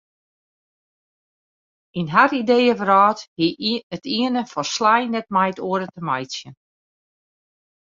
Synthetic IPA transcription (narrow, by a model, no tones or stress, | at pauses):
inɦaridejəvərɔːthiətiənəfɔrslajnɛt̚majtoəɾətəmajsjən